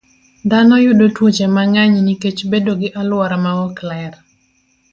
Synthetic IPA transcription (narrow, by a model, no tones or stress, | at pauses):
d̪anɔjʊdotwot͡ʃemaŋaɲniket͡ʃbedoɡɪʔalwaɾamaɔklɛr